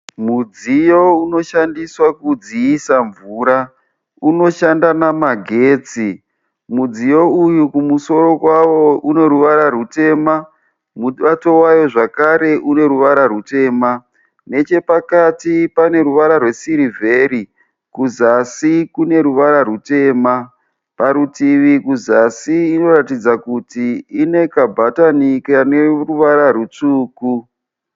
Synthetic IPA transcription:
mud͡zijo̞uno̞ʃandiswakud͡ziisaɱvuːɾa | uno̞ʃandanamaɡʱe̞ːt͡si | mud͡zijo̞ujukumuso̞ɾo̞kwawo̞une̞ɾuʋaɾaɾute̞ːma | muɓato̞wajo̞ʐakaɾe̞ʔune̞ɾuʋaɾaɾute̞ːma | ne̞t͡ʃe̞pakatipane̞ɾuʋaɾarwe̞siɾivʱe̞ɾi | kuzasikune̞ɾuʋaɾarute̞ːma | paɾutiʋikuzasiːno̞ratid͡zakutiːne̞kabʱatanikane̞ruʋaɾarut͡ʂuːku

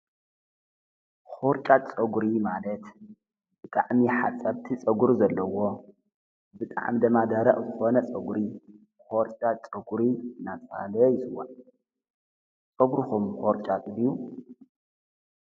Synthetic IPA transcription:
xoɾt͡ʃʼat͡sʼɐɡuɾimalɐt̪ | bɨt̪ʼaʕmiħat͡sʼːɐbt̪ʰit͡sʼɐɡuɾzɐlːɐwo̞ | bɨt̪ʼa̰ʕmid̪ɐmad̪aɾɐχʼzɨxo̞nɐt͡sʼɐɡuɾi | xoɾt͡ʃʼat͡sʼɐɡuɾinat͡sʼa̰lɐjɪsɨwan | t͡sʼɐɡɾuxumxoɾt͡ʃʼat̪ʼɨd̪iju

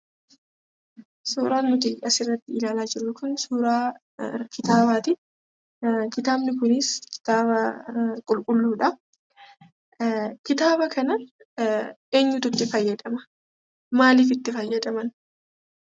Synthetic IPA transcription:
suːɾaːnmʊt̪ijɐsɪrːɐt̪ːɪɪlaːlaːd͡ʒɪɾʊkʊnsuːɾaː | kʰɪt̪aːbaːt̪ɪ | kɪt̪aːbnɪkʊnɪskɪ̥t̪aːβɐkʼʊlkʼʊlːuːᶑɐ | kɪt̪aːbɐkɐnɐ | ʔeːɲːʊt̪ʊt̪ːɪfɐjːɐd̪ɐmɐ̥ | maːliːfɪt̪ːɪfɐjːɐd̪ɐmɐn

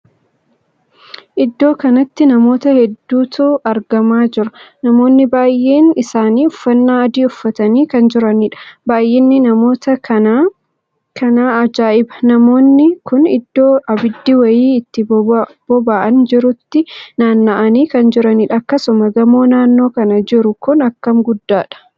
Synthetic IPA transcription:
ʔɪd̪ːo̞ːkɐnɐt̪ːɪnɐmo̞ːt̪ɐhɛd̪ːuːt̪ʰuːʔɐɾɡɐmaːd͡ʒɪɾɐ̥nɐmo̞ːnːɪbaːjʔːe̞ːnɪsaːniːʊfːɐnːaːɐd̪iːʊfːɐt̪ɐniːkɐnd͡ʒɪɾɐniᶑɐ̥baːjːɛnːɪnɐmo̞ːt̪ɐkɐa | kʰɐnaːɐd͡ʒaːʔɪbɐ̥nɐmo̞ːnːɪkʊnɪd̪ːo̞ːʔɐbɪd̪ːiwɐjiːɪt̪ːɪb̥ɔbaːʔɐnd͡ʒɪɾʊt̪ːɪnaːnːaʔɐniːkɐnd͡ʒɪɾɐnɪᶑɐɐkːɐsʊmɐɡɐmo̞ːnaːnːo̞ːkɐnɐd͡ʒɪɾʊkʊnɐkːɐmɡʊd̪ːaːᶑɐ̥

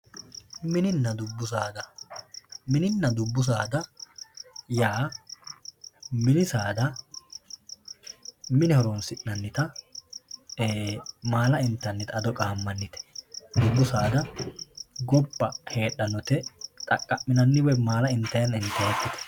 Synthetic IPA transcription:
mɪnɪnːɐd̪ʊbːʊs̬aːd̪ɐ | mɪnɪnːɐd̪ʊbːʊs̬aːd̪ɐ | jaː | mɪnɪsaːd̪ɐ | mɪnɛhɔɾoːnsɪʔnɐnːɪt̪ɐ | maːlɐɪnt̪ːɐnːɪt̪ɐd̪ɔkʼaːmːɐnːɪt̪ɛ̥d̪ʊbːʊsaːd̪ɐ | ɡɔbːɐhe̞ːɗːɐnɔt̪ɛt̪ʼɐkʼːɐʔmɪnɐnːɪwɛmaːlɐɪnt̪ːɐjɐnɪnt̪ːɐjɛt̪ːɪt̪ɛ̥

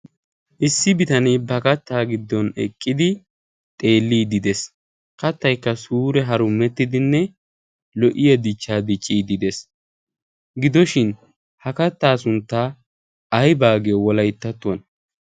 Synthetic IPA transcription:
ʔɪsːɪbɪt̪ɐnɛjbɐkɐt̪ːaːɡɪd̪ːɔnɛ̰kʼːɪd̪ɪ | t̪ʼe̞ːlːiːd̪ɪd̪ɛs | kɐt̪ːɐjkːɐsuːɾɛɦɐɾʊmɛt̪ːɪd̪ɪnːɛ | lɔʔɪjɐd̪ɪt͡ʃːaːd̪ɪt͡ʃʼːiːd̪ɪd̪ɛs | ɡɪd̪ɔʃɪn | hɐkɐt̪ːaːsʊnt̪ːaː | ɐjbaːɡejɔwɔlɐjt̪ːɐt̪ːʊwɐn

